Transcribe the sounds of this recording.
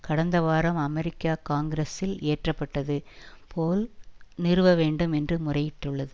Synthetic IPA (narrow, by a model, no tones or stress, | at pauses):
kɐɽɐnd̪ɐʋaːɾɐmɐmɛɾɪkːaːkaːŋɡɪɾɐsɪleːʈrɐpːɐʈːɐðɯpʰoːlnɪɾɯʋɐʋeːɳɖɯmɛndrɯmʊrɐjɪʈːɯɭːɐðɯ